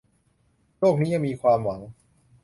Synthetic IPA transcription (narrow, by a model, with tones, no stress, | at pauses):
ɾo˥˩k̚niː˦˥ja˧ŋmiː˧kʰwaː˧mwa˩˦ŋ